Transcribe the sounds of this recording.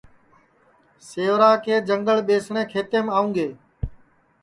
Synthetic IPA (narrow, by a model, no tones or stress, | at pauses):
seːʋɾaːkeːd͡ʒə̃ŋɡəɭɓeːsɳẽːkʰeːt̪eːmaːũːɡeː